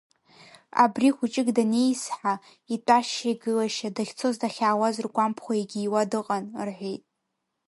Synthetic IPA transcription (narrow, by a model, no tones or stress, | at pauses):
a̰briχʷʊt͡ʃʼɪɡdane̞jsħa | itʷʼaʃejɡɨlaʃadaχʲt͡sʰo̞zdaχʲaːwazɨrɡʷampʰχʷaiɡʲɪːwadɨqʼanrħʷᶣejtʼ